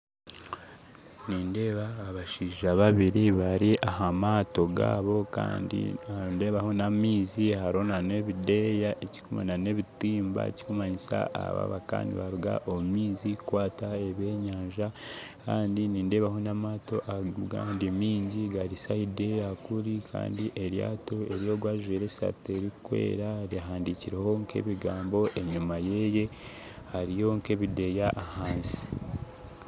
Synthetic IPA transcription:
niːnde̞βaːβaʃiːʒaβaβiɾiβaɾiʔaɦamaːto̞ɡa̰ːβo̞ka̰ːndḭande̞βaho̞namiːzihaɾo̞nane̞βide̞jaʔeci̥kuma̰nane̞βitiːmba̰ḛci̥kumaɲisa̰a̰βa̰βa̰ka̰ːndḭβaɾuɡa̰ʔo̞mumiːzikwaːtaeβe̞ɲaaːɲʒakaːndiniːnde̞βaɦo̞namaːto̞ʔaɡandemiːɲɟiɡaɾisahide̞jakuɾikʰa̰ːndiʔeɾja̰ːto̞e̞ɾijo̞ɡwaːʒeɾesa̰teɾikwḛːɾaɾiɦaːndiciɾeho̞ŋkʰe̞̰βiɡaːmbo̞ʔe̞ɲumaje̞je̞ | haɾijo̞ŋke̞βide̞jaʔahaːnsi̥

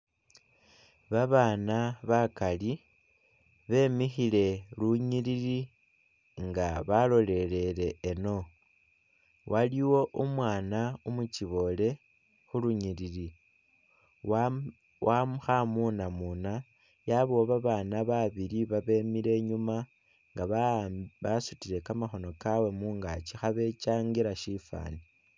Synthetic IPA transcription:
βaβaːnaβakali | βe̞mixile̞luɲiɾiɾi | ŋɡaβalo̞le̞ɾe̞ɾe̞ːno̞ | wʔaliwo̞ʔumwaːnaumut͡ʃiβo̞le̞ | xuluɲiɾiɾi | wʔamxamunamuna | jaβoβaβaːnaβaβiɾiβaβe̞miɾe̞ɲuma | ŋɡaββasutiɾe̞kamaxo̞no̞kawe̞muːŋɡat͡ʃixaβe̞t͡ʃaːŋɡiɾaʃifa̰ːni

